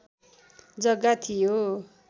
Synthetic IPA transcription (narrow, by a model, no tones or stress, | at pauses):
d͡zʌɡat̪ʰijo